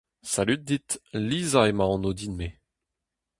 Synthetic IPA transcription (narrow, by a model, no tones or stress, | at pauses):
salyt̚d̪it̪lizaemaɑ̃nod̪inme